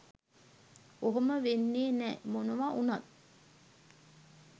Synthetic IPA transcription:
oɦoməʋenːeːnɛːmonuʋaʔunɐt̪

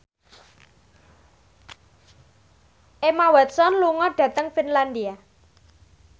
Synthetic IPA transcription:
ʔemawɛt̪̚sɔnluŋɔɖ̥ä̤t̪əŋfinland̪ia

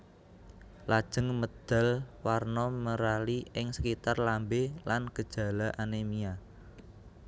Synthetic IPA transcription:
lad̥ʒ̥ə̤ŋməd̪̥a̤lwarnɔməɾaliʔɪŋsəkit̪arlambelanɡ̥əd̥ʒ̥ä̤laʔanemia

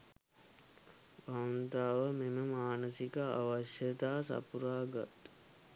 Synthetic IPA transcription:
bant̪aːʋəmeməmaːnəsikəa̰ʋaʃjət̪aːsa̰puɾaːɡa̰t̪

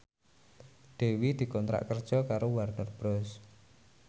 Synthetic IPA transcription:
d̪̥e̤wid̪̥i̤kɔnt̪ɾa̰ʔkərd̥ʒ̥ɔ̤kaɾowarnərb̥ɾɔs

